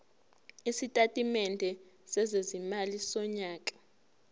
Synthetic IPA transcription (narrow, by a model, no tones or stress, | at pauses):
isitʼatʼimɛndʱɛ | sɛzezimalisɔɲaːkʼḁ